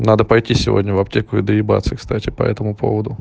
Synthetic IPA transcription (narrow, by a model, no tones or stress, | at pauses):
nad̪əpɐjtʲisʲɪvodʲnʲəvɐp̚tʲekʊɪd̪əɪba̰t̪sɨkst̪atʲɪpɐ̰ɛ̰t̪əmʊpʰo̰vəd̪ʊ